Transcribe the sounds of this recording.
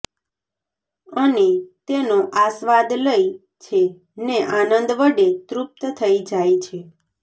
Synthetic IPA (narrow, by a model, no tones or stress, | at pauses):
ənet̪enoʔasʋad̪ləi | t͡ʃʰe | neʔanənd̪ʋəɖet̪ɾup̚t̪t̪ʰəid͡ʒajt͡ʃʰe